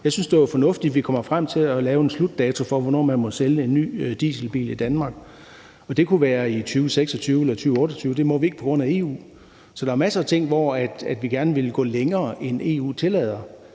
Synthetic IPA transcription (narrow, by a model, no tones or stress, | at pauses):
jɑ̈ɪsynsd̥e̝æfɒ̽nɔ̽fd̥id̥ʋikʰɒ̽m̰ɐfʁam̰t͡sʰe̝lɒlɛːʊenslud̥ːɛːt͡sʰo̝fɒ̽ʋɒnɒ̰ːmænmɒ̽seləe̝nːy̰ːd̥ḭːsl̩b̥ḭːlid̥ænmɑ̈ːɡ̥ | ɒ̽d̥e̝kʰuʋæːɐit͡sʰyːʊəseɡ̥sɒ̽t͡sʰyːʊelɐt͡sʰyːʊəɔ̽ːɾ̥ɒt͡sʰyːʊd̥e̝mɒ̽ʋie̝ɡ̥əpʰɒ̽ɡ̥ʁɔ̽n̰æe̝̰ːṵː | sɒ̽d̥ɑ̈æɐmæsɐːt͡sʰe̝ŋ̰ʋɒæd̥æd̥ʋiɡ̥æɐnəʋe̝lɡ̥ɔ̰̽ːleŋɐːʔene̝̰ːṵːt͡sʰe̝lɛ̰ːð̞ˠɐ